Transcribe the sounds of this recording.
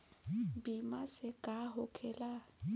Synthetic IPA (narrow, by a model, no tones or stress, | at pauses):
bimasɪkʼaɦokʰɛla